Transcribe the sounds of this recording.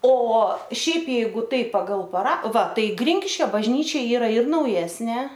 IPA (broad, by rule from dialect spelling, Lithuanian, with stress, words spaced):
oː ˈʃʲɛɪp ˈjɛɪɡʊ ˈtɐɪp pɐɡɐlˠ pɐˈrɐ ʋɐ ˈtɐɪ ˈɡrʲɪŋʲkʲɪʃʲkʲoː bɐʒʲˈnʲiːt͡ʃʲɛ ˈiːrɐ ɪr nɐʊˈjæːsʲnʲeː